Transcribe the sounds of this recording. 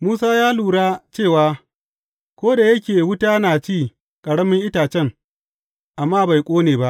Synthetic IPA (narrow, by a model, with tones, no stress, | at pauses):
muː˦saː˦jaː˦luː˨ɽaː˦t͡ʃeː˦˨waː˦ | kʷoː˦da˨jɐ˦kʲeː˨wʊ˦taː˦naː˨t͡ʃiː˦˨ | kʼɐ˨ɽɐ˦mɪ˦ŋʔɪ˦taː˨t͡ʃɛ˦ŋ | ʔa˨mːaː˦ba˨jkʷʼoː˦neː˨ba˦ʔ